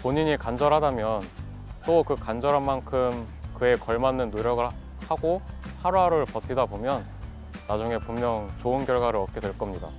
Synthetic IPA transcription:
poɲiɲikand͡ʑʌɾɦadamjʌn | t͈okɯkand͡ʑʌɾɦanmankʰɯm | kɯe̞kʌɭmanːɯnːoɾjʌɡɯɭ | haɡohaɾuɦaɾɯɭpʌtʰidabomjʌnː | ad͡ʑuŋe̞pummːjʌŋt͡ɕoɯnkjʌɭɡwaɾɯɾʌp̚k͈e̞dwe̞ɭk͈ʌmɲida̰

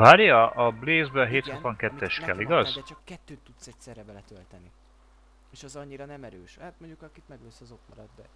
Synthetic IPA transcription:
vaːɾjɒʔɒbleːzbɛɦeːt̪hot̪vɒŋkɛt̪ːɛʃkɛliɡɒzd̪ɛt͡ʃɒkːɛt̪ːøːt̪ːut̪sɛcsɛrɛbɛlɛt̪ølt̪ɛni | eːʃɛzɒɲːiɾɒnɛmɛɾøːʃhaːt̪̚moɲɟukɒkit̪mɛɡløsɒzokmɒɾɒd̪d̪ɛ̰

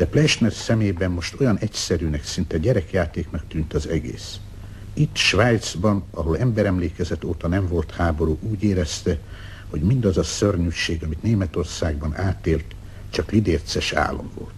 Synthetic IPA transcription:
d̪̥ɛplɛʃmɛrsɛmeːbɛmːo̞ʃt̪o̞jɒnʔɛcsɛɾynɛksint̪ɛɟɛɾɛkjaːt̪eːknɒkt̪yːnt̪ɒzɛɡḛːs | it̪ːʃʋaːjt̪sbɒnɒɦo̞lɛmbɛɾɛmleːkɛzɛt̪ːoːt̪ɒnɛɱvo̞lt̪haːbo̞ɾuːʔuːɟeːɾɛst̪ɛ | ho̞ɟmind̪ɒzɒsørɲyʃeːɡɒmit̪neːmɛt̪o̞rsaːɡ̚bɒnaːt̪eːlt̪ | t͡ʃɒklid̪eːrt̪sɛʃa̰ːlːo̞̰ɱvo̞̰lt̪

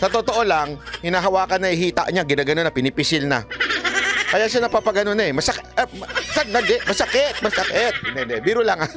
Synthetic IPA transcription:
sɐt̪ot̪o̞ʔo̞laŋhɪnaːɦɐwaːkɐnːɐɪhiːt̪a̰ʔɲaɡɪnaːɡɐnonːɐpɪnɪpɪsɪlna̰ | kɐjaʔʃanɐpaːpɐɡɐnonɐɛmɐsɐkmsanɐd̪ɛʔmɐsɐkɛt̪̚mɐsɐkɛt̪̚d̪ɛnd̪ɛbiːɾʊlaŋa

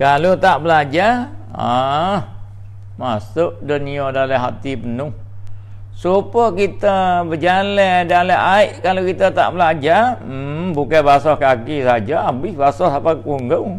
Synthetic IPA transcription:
kalot̪aʔbəlad͡ʒaa | masʊʔdəniɔdaləɦat̪ipənʊh | supəkit̪əbəd͡ʒalɛdaləʔaiʔkalokit̪ət̪a̰ʔbəlad͡ʒa | bukabasɔhkakisad͡ʒaabɪhbasɔhsapakuŋɡəw

